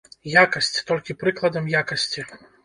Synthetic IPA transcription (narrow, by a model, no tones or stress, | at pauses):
jakɐsʲt͡sʲt̪ɔlʲkʲipɾɨklˠɐd̪ɐmjakɐsʲt͡sʲi